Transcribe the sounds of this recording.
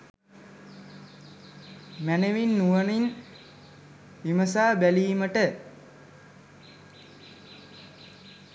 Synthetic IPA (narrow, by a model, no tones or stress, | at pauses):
mæneʋinːuʋənin | ʋiməsaːbæliːməʈə